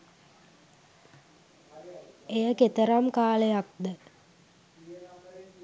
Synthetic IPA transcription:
ejəket̪əɾamkaːlejak̚d̪ə

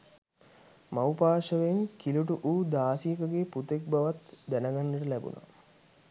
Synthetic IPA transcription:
mawpaːʃəʋeŋkiluʈuʔuːd̪aːsiəkəɡeput̪ek̚baʋat̪d̪ænəɡanːəʈəlæbṵnʔa̰

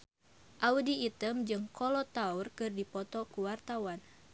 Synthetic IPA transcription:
ʔaudiːt̪əmd͡ʒɨŋkɔlɔt̪aurkɨrdipɔt̪ɔkuwart̪awan

